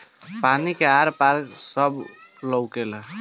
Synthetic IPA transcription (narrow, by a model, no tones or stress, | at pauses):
panikeaɾpaɾksəbləwkel